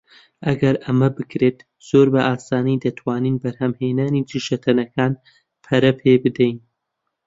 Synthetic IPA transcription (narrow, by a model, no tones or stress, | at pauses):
ʔɐɡɐɾʔɐmɐbɨkɾeːt̪ | z̥oːɾbɐʔaːsaːnid̪ɐt̪ʰwaːniːnbɐɾhɐmheːnaːnid͡ʒiʃɐt̪ʰɐnɐkʰaːn | pʰɐɾɐpʰeːbɨd̪ɛjn